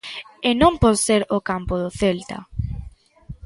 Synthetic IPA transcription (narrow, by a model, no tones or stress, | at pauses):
ɪnõmpɔðseɾʊkampʊðʊθelt̪a̰